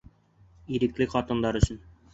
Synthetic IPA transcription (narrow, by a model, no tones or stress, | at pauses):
iɾɘ̆klɘχɒt̪ɤ̆nd̪ɑɾɵ̆ɕɘn